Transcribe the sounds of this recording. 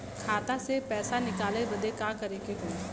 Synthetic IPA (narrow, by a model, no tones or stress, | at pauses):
kʰaːt̪asepɛːsanɪkaːlebɐd̪ekaːkɐɾẽːkeɦõː